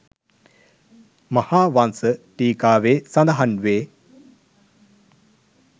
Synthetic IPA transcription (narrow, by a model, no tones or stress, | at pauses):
mɐhaːʋansəʈiːkaːʋeːsɐnd̪ɐɦɐnʋeː